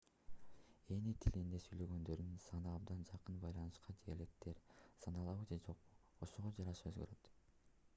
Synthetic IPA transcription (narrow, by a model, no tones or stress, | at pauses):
e̞nit̪ʰilind̪esyjlø̞ɡø̞nd̪ø̞ɾynsɑnɯɑb̚d̪ɑnd͡ʒɑqɯnbɑjlˠɑnɯʃqɑd͡ʒelek̚t̪e̞ɾsɑnɑlˠɑβɯd͡ʒed͡ʒo̞qo̞ʃo̞ʁo̞d͡ʒɑɾɑʃɑøzɡøɾø̞t̪